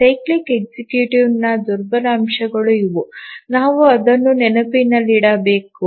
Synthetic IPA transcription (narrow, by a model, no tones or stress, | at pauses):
sɐjklikeɡ̚sikjuːʈiʋnɐd̪uɾbɐɾɐːmʃɐɡɐɭuiʋunaːʋuɐd̪ɐnːunɛnɐpinɐlːiɽɐbeːku